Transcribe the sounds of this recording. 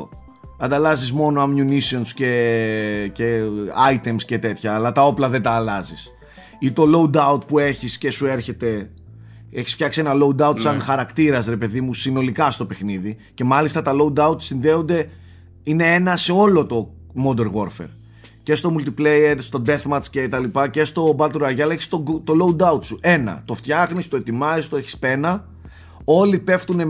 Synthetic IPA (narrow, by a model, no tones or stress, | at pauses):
o | ɐnd̪ɐlɐzizmo̞noɐmjunisio̞nsce̞ | ceɐjt̪e̞msce̞t̪e̞t̪çɐːlɐt̪ɐo̞plɐðed̪ɐːlɐzis | it̪o̞lo̞ud̪ɐut̪pue̞çisce̞sue̞ɾçe̞t̪e̞ | e̞çisft̪çɐksie̞nɐlo̞ud̪ɐut̪sɐnxɐɾɐkt̪iɾɐsɾe̞pe̞ðimusino̞likɐst̪o̞pe̞xniðice̞mɐlist̪ɐt̪ɐlo̞ud̪ɐut̪sinðe̞ond̪e̞ | ine̞e̞nɐse̞o̞lo̞t̪o̞ | mo̞d̪e̞ɾɣo̞ɾfe̞̰ɾ | ce̞st̪o̞mult̪iple̞jeɾst̪o̞d̪e̞θmɐt̪sce̞t̪ɐlipɐce̞st̪o̞bɐlt̪ɾɐʝɐleçi̥st̪ot̪o̞lo̞ud̪ɐut̪suʔe̞nɐ̰t̪o̞ft̪çɐxnist̪oe̞t̪imɐist̪oeçi̥spe̞nɐ | o̞lipe̞ft̪une̞